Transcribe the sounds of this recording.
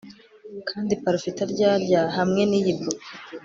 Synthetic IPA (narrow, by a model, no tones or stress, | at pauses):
kʰaːndipaɾofitaɾɟaːɾɟaɦamŋe̞nijibu